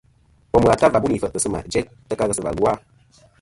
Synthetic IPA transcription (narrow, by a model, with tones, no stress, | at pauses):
ɔ˨m˨a˨ta˦va˨bu˦ni˨fə˨ʔə˨sɨ˦ma̰˨d͡ʒɛ˦t̚ | tə˦ka˦ɣə˦sə˨va̰˨lwa˦